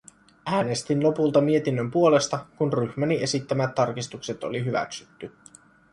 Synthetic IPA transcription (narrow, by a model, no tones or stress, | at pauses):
æːne̞st̪inlo̞pult̪ɑmie̞t̪inːømpuo̞le̞st̪ɑkunryçmænie̞sit̪ːæmæt̪ːɑrkist̪ukse̞t̪o̰liɦyʋæ̰ksyt̪ːy